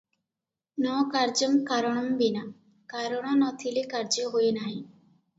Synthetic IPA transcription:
nɔkaɾd͡ʒɔmkaɾɔɽ̃ɔmbina | kaɾɔɽ̃ɔnɔt̪ʰilekaɾd͡ʒɔɦoenaɦĩ

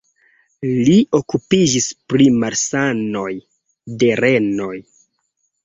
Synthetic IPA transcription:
lio̞kupid͡ʒispɾimaɾsano̞j | de̞ɾe̞no̞j

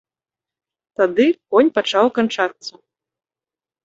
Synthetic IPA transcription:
t̪ad̪ɨkɔnʲpat͡ʂawkant͡ʂat̪sːɐ

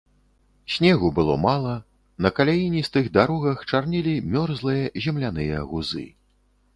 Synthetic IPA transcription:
sʲnʲɛɣubɨlˠɔ̰malˠɐ | nɐkalʲajinʲist̪ɨɣd̪aɾɔɣɐxt͡ʂarnʲilʲimʲɔrzlˠɨjɐzʲɛmlʲanɨjɐ̰ɣuzɨ̰

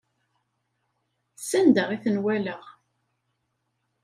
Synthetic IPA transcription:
sænd̪əʁiθənwæləʁ

